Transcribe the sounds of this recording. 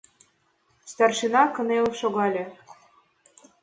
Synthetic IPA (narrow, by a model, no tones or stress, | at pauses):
st̪ɑrʃinɑkɤ̆nelʃoɣɑlʲĕ